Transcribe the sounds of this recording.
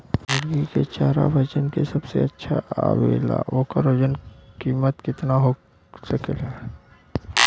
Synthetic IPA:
lɦɐɾɡiket͡ʃaːɾa̰bʱɐt͡ʃənkesɐbsḛɐtːʃʰaaːwḛːla̰ːʔoːkaɾod͡ʒənkiːmət̪kɪt̪naɦo | səkəlɦɛː

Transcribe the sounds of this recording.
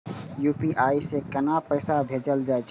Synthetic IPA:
jupiʔaisekənapəɪsabʱed͡ʒəld͡ʒajt͡ʃʰ

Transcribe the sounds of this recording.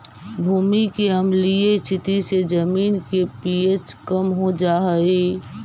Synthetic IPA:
bʱuːmikeɦəmlieɪst̪ʰɪt̪ised͡ʒəmiːnkepiet͡ʃkəmɦod͡ʒaːɦəi

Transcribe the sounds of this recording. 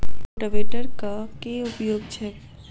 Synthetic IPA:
ʈəʋeːʈəɾkakeʊpjoːɡt͡ʃʰɛː

